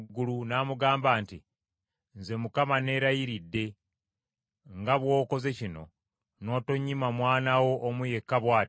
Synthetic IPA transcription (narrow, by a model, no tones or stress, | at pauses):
ɡːulunaːmuɡaːmbaːnti | nze̞mukamane̞ːɾajiɾidːe̞ | ŋɡaβwo̞ːko̞ze̞cino̞ | no̞ːto̞ɲːimamwaːnawo̞ʔːmuje̞kːaβwaːt